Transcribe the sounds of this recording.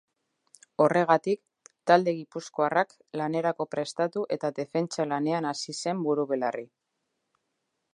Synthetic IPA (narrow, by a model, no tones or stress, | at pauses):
o̞re̞ɣat̪ik | t̪ald̪e̞ɣipusko̞arak | lane̞ɾako̞pɾe̞st̪at̪uʔe̞t̪aðe̞fe̞nt͡ʃalane̞anasise̞mbuɾuβelari